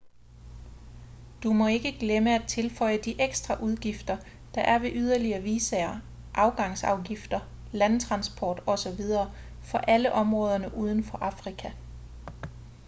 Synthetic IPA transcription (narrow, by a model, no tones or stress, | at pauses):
d̥umɒ̽e̝ɡ̥əɡ̥leməæt͡sʰe̝lfɒ̽ɪ̰əd̥iʔeɡ̥sd̥ʁɑ̈ʔuð̞ˠɡ̥ifd̥ɐ | d̥ɑ̈ʔæɐʋe̝ʔyð̞ˠɐliɐːʋiːsɛɐ | ʔɑ̈ʊɡ̥ɑ̈ŋ̰sɑ̈ʊɡ̥ifd̥ɐ | lænt͡sʰʁɑ̈nsb̥ʰɒ̰ːd̥ɒ̽sɒ̽ʋið̞ˠɐː | fɒ̽ʔæləʔɒ̽mʁɔːð̞ˠɐnəʔuːð̞ˠən̩fɒ̽ʔɑ̈fʁikʰæ